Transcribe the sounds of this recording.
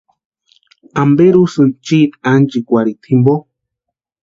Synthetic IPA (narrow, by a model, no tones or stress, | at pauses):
ambeɾusɨnt͡ʃit̪and͡ʒikʷaɾit̪ʰimbo